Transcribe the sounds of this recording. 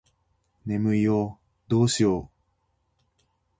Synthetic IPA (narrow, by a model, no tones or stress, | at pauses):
nemɯ̟io | d̪oːɕio